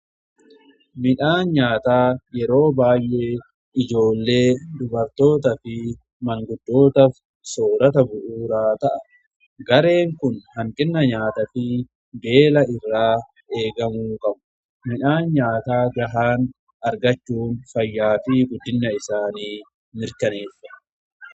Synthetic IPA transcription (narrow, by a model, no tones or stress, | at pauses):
mɪᶑaːnɲaːt̪aːjɛɾo̞ːbaːjʔe̞ː | ɪd͡ʒo̞ːlːe̞ːd̪ʊbɐɾt̪o̞ːt̪ɐfɪ | mɐŋɡʊd̪ːo̞ːt̪ɐf | so̞ːɾɐt̪ɐbʊʔuːɾaːt̪ɐʔɐ̥ | ɡɐɾe̞ːŋkʊnhɐŋkʼɪnːɐɲaːt̪ɐfɪ | be̞ːlɐɪrːaː | e̞ːɡɐmuːkʼɐbʊ̥ | mɪᶑaːnɲaːt̪aːɡɐɦaːn | ɐɾɡɐt͡ʃːuːnfɐjːaːfɪɡʊd̪ːɪnːɐɪsaːniː | mɪɾkɐneːfːɐ